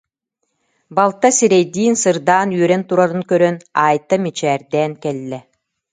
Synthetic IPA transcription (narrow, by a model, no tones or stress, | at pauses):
balˠt̪ːasiɾɛjd̪iːnsɯɾd̪aːnyœɾɛnt̪uɾaɾɯnkœɾœnaːjt̪ːamit͡ɕɛːɾd̪ɛːnkɛlːɛ